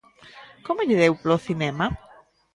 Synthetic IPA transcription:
komoʎɪðewpɾoθinɛma

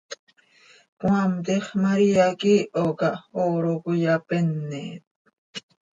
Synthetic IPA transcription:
pwamt̪eχmaɾiakiʔokaoɾokʊjapenːet̪̚

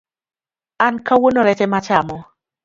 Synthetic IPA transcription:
ankawonoɾɛtɛmat͡ʃamɔ

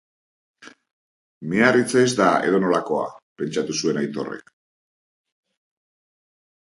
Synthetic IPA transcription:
mearit͡seːzd̪aḛðo̞no̞lako̞a̰pe̞nt͡ʃat̪usue̞najt̪o̞̰re̞̰k

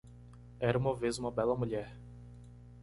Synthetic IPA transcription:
ɛɾɐũmɐvezũmɐbɛlɐmuʎɛɾ

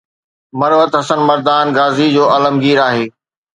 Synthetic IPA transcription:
mɐɾʋət̪ɦɐsənmɐɾd̪aːnɡaːzid͡ʑoːɐləmɡiːɾaːɦeː

